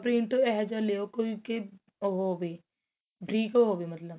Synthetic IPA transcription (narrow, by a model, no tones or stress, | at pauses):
pɾĩɳʈoɛɦd͡ʒaleokoike | oɦoːbe | bʱɾiːkoɦoːbemɐt̪ləb